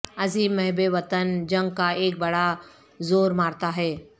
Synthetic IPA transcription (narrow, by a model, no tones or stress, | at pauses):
ɐziːbmɛɦbeʋɐt̪ənd͡ʒɐ̃ŋɡ̚kaeːk̚bɐɽa | zoːɾmaːɾt̪aɦɛː